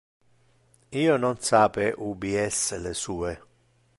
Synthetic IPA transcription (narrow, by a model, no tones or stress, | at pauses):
iːonɔnsaːpeʔubiɛsːelesuːe